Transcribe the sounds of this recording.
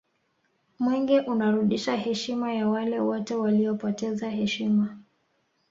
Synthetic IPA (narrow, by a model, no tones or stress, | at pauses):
mwɛŋɡɛʔunaɾuɗiʃahɛʃimajawalɛwɔtɛwaliɔpɔtɛzaɦɛʃima